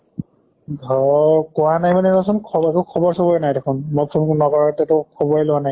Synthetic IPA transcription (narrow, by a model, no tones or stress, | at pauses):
ɡʱɔkʊwanajmanɛnɔsɔnkʰɔbakukʰɔbɔɹsɔbɔɛnajdekʰunmɔpʰunkunɔkɔɹatɛtɔkʰɔbɔɹɛlʊwanaj